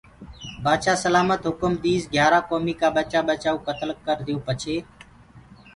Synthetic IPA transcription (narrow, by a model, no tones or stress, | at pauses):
baːʃaːsəlaːmət̪ɦʊkəmd̪iːzɡʱjaːɾaːkoːmiːkaːɓət͡ʃaːɓət͡ʃaːũːkət̪əlkːəɾd̪ɪjõːpət͡ʃʰeː